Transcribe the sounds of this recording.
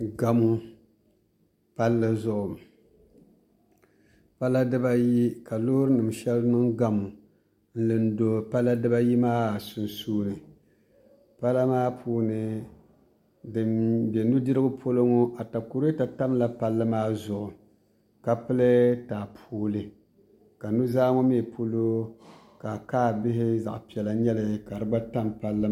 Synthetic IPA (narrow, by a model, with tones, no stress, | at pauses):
ɡa˦mu˦ | pa˦lːɨ˦zʊ˦ʔʊ˨ | pa˦la˦dɨ˦ba˦ji˦ka˨loː˦ɾɨ˦nɨ˨m˨ʃɛ˦lnɨ˦ŋɡa˦mu˨ | n̩˦lɨ˨n̩˦do˨pa˦la˦dɨ˦ba˦ji˦maː˦˨su˨n˨suː˦nɨ˨ | pa˦la˦maː˦pʰuː˦nɨ˨ | dɨ˨be˨nu˦dɨ˦ɾɨ˦ɡʊ˦pʰo˦lo˦ŋo˦ʔa˨ta˨ku˨ɾta˨ta˦mla˦pa˦lːɨ˦maː˦zʊ˨ʔʊ˨ | ka˨pɨ˦lɨ˦taː˨pʰoː˦lɨ˨ | ka˨nu˦zaː˦ŋo˦me˦˨pʰo˦lo˦ | ka˨kaː˦bɪ˦ɦɪ˦za̰˨ʔpi˨ɛ˨la˨ɲɛ˦lɨ˨ka˨ɾɨ˦ɡ͡ba˦ta˦mpa˦lːɨ˦